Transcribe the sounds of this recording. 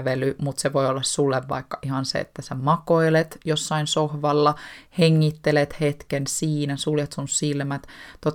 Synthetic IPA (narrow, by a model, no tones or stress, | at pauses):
ʋelymut̪seʋoiolːɑssulːeʋʋɑ̰ikːɑʔihɑnsḛḛt̪ːæsemɑkoilet̪josːɑinsohʋɑlːɑheŋːit̪ːelet̪het̪kensiːnæsuljet̪sunsilmæt̪t̪ot̪